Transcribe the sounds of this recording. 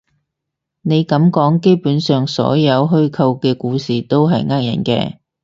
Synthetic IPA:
ne˨˧jkɐ˨˧˥mkɔː˨˥ŋke˥jpuː˨˥nsœː˨ŋsɔ̰ː˨˥jɐ˨˧wɦɵ˥ɥkʰɐ˧wkɛː˧kuː˧siː˨˩t̪o˥wɦɐ˨jŋaː˥k̚jɐ̰˨˩nkɛ̰ː˧

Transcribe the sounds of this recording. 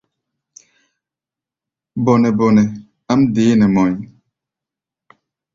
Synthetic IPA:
bɔ˨nɛ˨bɔ˨nɛ˨ | a˦mde˨˦nɛ˨mɔ̃˨j

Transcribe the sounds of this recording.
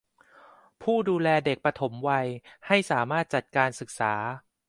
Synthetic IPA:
pʰuː˥˩duː˧lɛː˧de˨˩k̚pɾa˧t̪ʰo˩˦mwa˧jha˥˩jsaː˩˦maː˥˩t̪̚t͡ɕa˨˩t̪̚kaː˧nsɯ˨˩k̚saː˩˦

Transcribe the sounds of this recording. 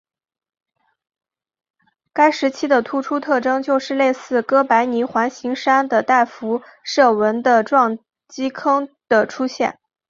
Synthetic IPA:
ka˥ɪʂɻ̩˧˥t͡ɕʰi˥d̪ə˨t̪ʰu˥ʈ͡ʂʰu˥t̪ʰɤ˥˩ʈ͡ʂɤ˥ŋt͡ɕjo˥˧ʊʂɻ̩˥˧le˥˧ɪsɹ̩˥˩kɤ˥pa˧˥ɪni˧˥xwa˧˥nɕi˧˥ŋʂa˥nd̪ə˨˩t̪a˥˩ɪfu˧˥ʂɤ˥˩wə˧˥nd̪ə˧ʈ͡ʂwɑ˥˩ŋ | t͡ɕi˥kʰɤ˥ŋd̪̥ə˨ʈ͡ʂʰu˥ɕjɛ̰˥˩n

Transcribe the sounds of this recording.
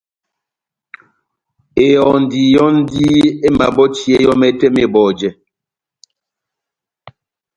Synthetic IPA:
e˨jɔ˨n̩˨diː˨jɔ˦n̩˦di˦e˦ma˨bɔ˦t͡ʃi˦e˦jɔ˦mɛ˦tɛ˦me˦˨bɔː˨d͡ʒɛ˨

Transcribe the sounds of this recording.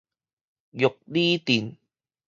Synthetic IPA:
jo˨˩k̚li˦t̪i˨˩n

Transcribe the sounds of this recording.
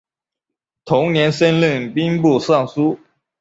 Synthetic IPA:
t̪ʰʊ˧˥ŋnjɛ˧˥nsə˥nli˥˨˩ŋpi˥ŋpu˥˧sɑ˥˨˩ŋsu˥

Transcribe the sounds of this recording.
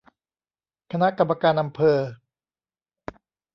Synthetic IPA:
kʰa˧na˦˥ʔka˧mːaː˧kaː˧nʔa˧mpʰɤː˧

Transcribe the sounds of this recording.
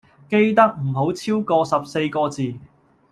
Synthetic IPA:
ke˥jt̪ɐ˥k̚m̩˨˩ɦo˨˥wt͡sʰiː˥wkɔː˧sɐ˨p̚se˧jkɔː˧t͡siː˨

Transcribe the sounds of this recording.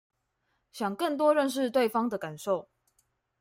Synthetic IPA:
ɕjɑ˨˩ŋkə˥˨nt̪̬wɔ˦ɻə˥˨nʂ̬ɻ̩˥˧t̪we˥˨ɪfɑ˥ŋd̪ə˨ka˨˩nʂo˥˨ʊ

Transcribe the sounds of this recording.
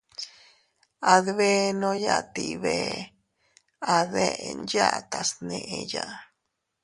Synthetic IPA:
a˧ðβe˦˧nõ˦ja˧t̪i˧βe˧ | a˧ðe˧nd͡ʒa˦t̪a˨snẽ˧ʔe˧ja˧

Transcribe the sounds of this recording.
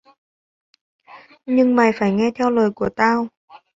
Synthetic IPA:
ɲɨ˧ŋmaː˨˩jfaː˧˩jŋɛ˧t̪ʰɛ˧wləː˨˩jku˧˩ət̪aː˧w

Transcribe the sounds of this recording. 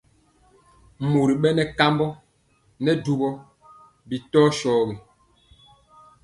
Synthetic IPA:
mo˨ɾi˨ɓɛ˦nɛ˨ka˦mbɔ˦ | nɛ˦du˨bɔ˦ | bi˨tɔː˦ʃɔː˨˦we˨

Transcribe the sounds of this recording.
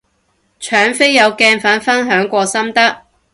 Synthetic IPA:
t͡ʃʰœː˨˥ŋfe˥jːɐ˨˧wkɛː˧nfɐː˨˥nfɐ˥nɦœː˨˥ŋkʷɔː˧sɐ˥mt̪ɐ˥k̚

